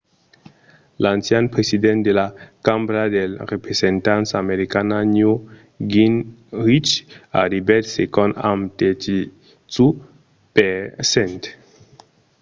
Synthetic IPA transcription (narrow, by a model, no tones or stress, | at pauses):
lãnsjanpɾesid̪ɛnt̪d̪elakambɾad̪elrepɾesent̪ansameɾikanaɲu | ɡinɾit͡ʃa̰ɾibɛt̪sekɔ̃na̰mt̪et͡ʃi | t͡su | pesẽnt̪